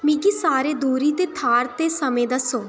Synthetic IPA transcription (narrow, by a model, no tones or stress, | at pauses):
miɡiːsaːɾeːd̪uːɾiːt̪eːt̪ʰaːɾt̪eːsəmẽːd̪əsoː